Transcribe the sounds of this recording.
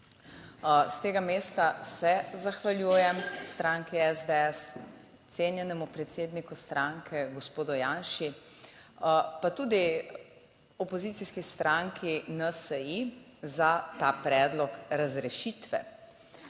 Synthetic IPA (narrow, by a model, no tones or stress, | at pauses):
st̪eːɡameːst̪asɛzaxʋaljuːjɛmst̪ɾaːŋkiɛzd̪ɛɛs | t̪seːnjɛnɛmupɾɛt̪seːd̪nikust̪ɾʔãŋkʰɛɡɔspoːd̪ɔjaːnʃi | pat̪uːd̪i | ɔpɔzitsiskist̪ɾʔaŋkʰinəsəi | zat̪aːpɾɛːd̪lɔkɾazɾɛʃiːt̪ʋɛ̰